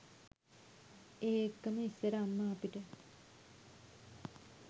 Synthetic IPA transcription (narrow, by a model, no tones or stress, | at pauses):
eːekːəməisːəɾəamːəapiʈə